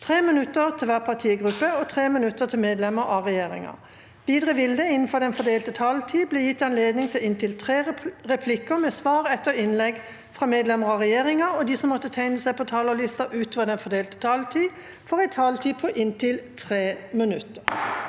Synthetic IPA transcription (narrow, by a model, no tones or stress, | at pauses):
t̪ʰʁeːmɪnʉt̪ːəʁt̪ʰɪlʋæːʁpʰɑt̪ʰiːɡʁʉpːəɔt̪ʰʁeːmɪnʉt̪ːət̪ʰɪlmeːd̪lɛməʁɑʁɛjeːʁɪ̰ŋɑ̰ | ʋiːd̪ʁəʋɪld̪əɪnn̩fɔʁd̪ɛnfɔd̪eːlt̪ət̪ʰɑlt̪ʰiːbleːjɪt̪ːɑnleːd̪nɪŋt̪ʰɪlɪnt̪ʰɪlt̪ʰʁeːʁɛpʰlɪkəmɛsʋɑːʁɛt̪ːəɪnlɛɡ | fʁɑmeːd̪lɛməʁɑʁɛjeːʁɪŋɑɔd̪iːsɔmːɔt̪ːət̪ʰæɪnəsæɪpʰɔt̪ʰɑːləʁlɪst̪ɑʔʉːt̪oːʋəd̪ɛnfɔd̪eːlt̪ə̥t̪ʰɑːlt̪ʰiː | fɔʁæɪt̪ʰɑːlt̪ʰiːpʰɔʔɪnt̪ʰɪlt̪ʰʁeːmənʉt̪ːəʁ